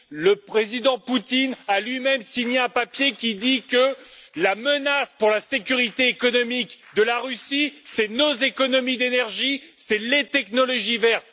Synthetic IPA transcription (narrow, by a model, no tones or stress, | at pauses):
ləpχezid̪ɑ̃put̪inalɥimɛmsiɲeɛ̃papjekʲid̪ikəlamənaspuʁlasekʲyʁit̪eːkɔnɔmikd̪əlaʁysisɛnozekɔnɔmid̪enɛʁʒisɛlet̪ɛknɔlɔʒivɛʁt̪